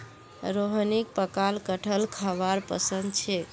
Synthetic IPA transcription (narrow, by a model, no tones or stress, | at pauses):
ɾoɦnik̚pəkalkəʈʰəlkʰəβaɾpə̰sənd̪t͡ʃʰe